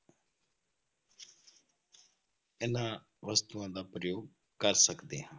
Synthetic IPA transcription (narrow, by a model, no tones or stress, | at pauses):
ɪnãː | ʋəst̪uãːd̪aːpɾəjoːɡ̚ | kəɾsəkd̪eːɦãː